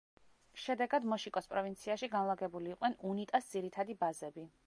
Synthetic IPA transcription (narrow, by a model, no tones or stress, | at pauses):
ʃɛd̪ɛɡad̪mɔʃikʼɔspʼɾɔvint̪sʰiaʃiɡanlˠaɡɛbuliːqʼnɛnunit̪ʼasd̪z̥iɾit̪ʰad̪ibazɛbi